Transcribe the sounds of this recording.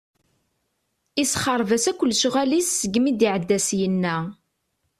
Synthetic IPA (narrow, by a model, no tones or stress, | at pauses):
isχəɾˤvæsækʷːəlːʃʁælisːəɡmid̪iʕəd̪ːæsjənːæ